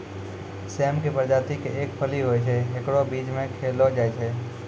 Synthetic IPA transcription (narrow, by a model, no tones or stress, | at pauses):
seːmkipəɾd͡ʒaːt̪ikeʔeːkpʰəliɦoet͡ʃʰeɦekɽobiːd͡ʒmẽkʰeːlod͡ʒaːet͡ʃʰe